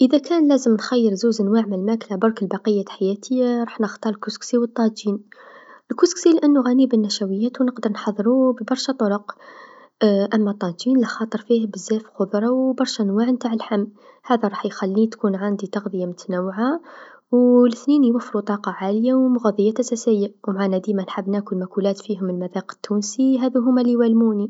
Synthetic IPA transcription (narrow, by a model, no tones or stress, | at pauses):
ʔəd̪ækʰænlæzəmnxæjːəɾzuzʔənwaʕməlmæklabɑɾˤkəlbɑqəjːaħajæt̪ʰəjːaɾˤɑħnəxt̪ˤɑɾəlkusksiwət̪ˤːɑinəlkusksilʔənːuɣænibənːæʃæwəjːæt̪wnəqd̪əɾˤnħɑðˤːɾubəbɑɾˤʃæt̪ˤoɾoq | ʔæmːæt̪ˤːɑinlæxɑt̪ˤəɾˤfihbəzːæfxʊd̪ˤɾˤɑwbɑɾˤʃænwaʕnt̪aʕəlħamː | hæd̪æɾˤɑħjxælːit̪kunʕand̪it̪ɑɣd̪ˤəjamʊt̪ænawːʕa | wləθninjwəfːɾut̪ˤɑqɑʕaljawmʊɣɑðˤəjːaʔæsæsəjːawmʕanæd̪imænħabnækulmækulæt̪fiɦʊməlmæðæqə̥t̪ːunsiɦæd̪uɦʊmːæliwælmuni